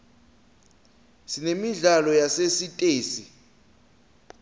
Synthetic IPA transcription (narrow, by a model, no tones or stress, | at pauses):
sinemiɮalɔjasesitʼeːsi